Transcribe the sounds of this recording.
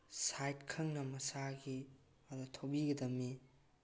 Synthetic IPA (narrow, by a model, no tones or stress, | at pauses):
sajt̚kʰɐŋnɐmɐsaɡi | adotʰobiɡɐdɐmːi